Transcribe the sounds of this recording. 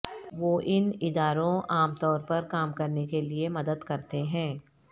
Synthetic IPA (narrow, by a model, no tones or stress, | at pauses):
ʋoːʔɪnɪd̪aːɾõaːmt̪ɔːɾpɐɾkaːmkɐɾnekeliemɐd̪əd̪kɐɾt̪eɦɛ̃ː